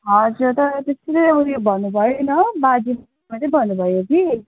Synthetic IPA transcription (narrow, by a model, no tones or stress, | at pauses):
ɦʌd͡zuɾt̪ʌɾʌt̪esoɾeʌbuljobʱʌnːubʱʌjonʌbad͡zim | mat̪ʌbʱʌnːubʱʌjoki